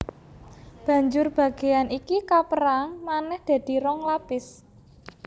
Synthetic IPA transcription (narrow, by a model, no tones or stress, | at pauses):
b̥ä̤ɲd͡ʒʊrb̥ä̤ɡ̥e̤janikikapəɾaŋmanɛhd̪̥ä̤d̪̥i̤ɾɔŋlapɪs